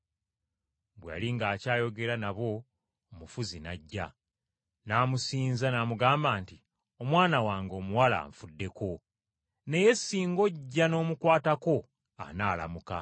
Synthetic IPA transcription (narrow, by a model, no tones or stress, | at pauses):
bwa̰ːliŋɡaːcaːjo̞ɡe̞ɾanaβo̞ː | mufuzinaɟːa̰ | naːmusiːnzanamuɡaːmbaːnti | o̞mwaːnawaːŋɡo̞ːmuwala̰ːɱfudːe̞ko̞ | ne̞je̞sːiːŋɡo̞ɟːano̞ːmukwaːtako̞ | a̰naːla̰muka